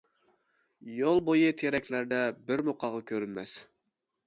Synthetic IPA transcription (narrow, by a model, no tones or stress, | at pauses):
jolˠbojɨt̪ʰeɾɛkʲlæɾd̪ɛbɪɾmoqʰɑʁɑkʲʰøɾynmɛ̰s